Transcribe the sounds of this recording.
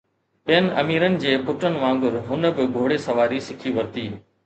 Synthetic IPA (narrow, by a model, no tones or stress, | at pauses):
ɓijənɪ̆ɐmiːɾənɪ̆d͡ʑeːpʊʈənɪ̆ʋãːŋ̆ɡʊɾɦʊnə̆bɪɡʱoːɽesɐʋaːɾisɪkʰiʋɐɾt̪iː